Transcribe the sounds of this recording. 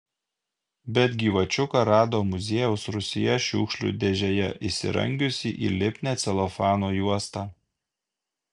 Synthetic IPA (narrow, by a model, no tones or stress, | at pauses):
bʲɛt̪ʲɡʲiːʋɐt͡ʃʲʊkɐɾɑːd̪oːmʊzʲeːjɛʊsɾʊsʲɪjɛʃʲuːkʃʲlʲṵd̪ʲeʒʲɛjɛʔɪsʲɪ̰ɾɐ̰ŋʲɡʲʊsʲɪʔḭːlʲɪpʲnʲɛːt̪sʲɛlˠɔfɑːnoːjuɔst̪ɑː